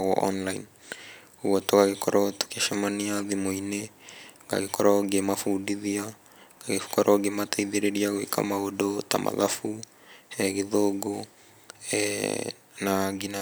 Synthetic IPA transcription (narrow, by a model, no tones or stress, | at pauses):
ɣɔʔɔ̰nlaḭn | owɔtoɣaɣekɔɾʔɔtu̥kaʃɛmaniaðimoineɡa̰ɣekɔɾɔɡemafudiðia | ɡaɣefkɔɾʔɔɡemataiðeɾeɾiaɣwḛkʰa̰maodota̰mʔa̰ða̰fu | ɛɣeðoɡo̰ | naɡina